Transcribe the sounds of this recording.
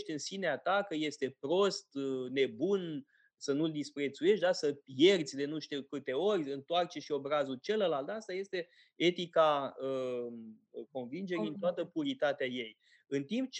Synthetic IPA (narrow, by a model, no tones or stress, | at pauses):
ʃt̪ʲɨnsineat̪akəje̞st̪e̞pɾo̞st̪ne̞bun | sənuld̪ispɾe̞t̪suje̞ʃtʲd̪asəpje̞rd̪sʲd̪e̞nuʃt̪ikɨt̪e̞o̞rʲɨnt̪oart͡ʃeʃio̞bɾazut͡ʃe̞ləlalt̪ast̪aje̞st̪e̞ | e̞t̪ikaə | ko̞nvind͡ʒe̞ɾint̪oat̪əpuɾit̪at̪eaje̞j | ɨnt̪imp̚t͡ʃ